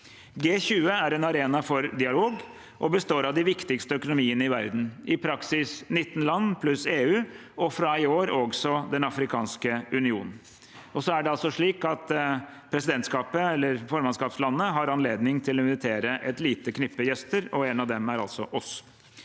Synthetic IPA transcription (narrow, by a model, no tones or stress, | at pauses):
ɡeːçʉːəæɾɛnɑɾeːnɑfɔɾd̪ɪɑloːɡ | ʔɔbəst̪oːɾɑʋd̪ɪʋɪkt̪ɪkst̪əœkʊnʊmiːənəɪʋæ̰ɾd̪n̩ɪpʰɾɑksɪsnɪt̪ːn̩lɑnːpʰlʉseːʉː | ɔfɾɑɪoːɾoɡsɔd̪ɛnɑfɾɪkʰɑ̰ːnskəʉnɪuːnn̩ | ɔsɔæɖɛɑlsɔʂɭiːkɑt̪pʰɾɛsɪd̪ɛnt̪skɑːpəɛlːəɾfɔɾmɑnskɑːpslɑnːəɦɑɾɑnleːd̪nɪŋt̪ʰɪlɔɪnʋɪt̪ʰeːɾəʔɛt̪liːt̪əkʰnɪpːəjɛst̪əɾɔɛnɑʋd̪ɛmæɾɑ̰lt̪sɔʔɔs